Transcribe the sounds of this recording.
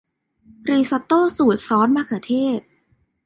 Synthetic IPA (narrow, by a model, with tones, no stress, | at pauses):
ɾiː˧˩sa˧t̪oː˥˩suː˨˩t̪̚sɔː˦˥nmaː˧˩kʰa˧˩t̪ʰeː˥˩t̪̚